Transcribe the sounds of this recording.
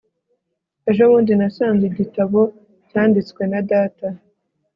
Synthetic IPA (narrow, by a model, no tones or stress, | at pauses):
e̞ʒo̞βuːndinasaːnziɟitaβo̞ | ɟaːndit͡skwe̞nadaːta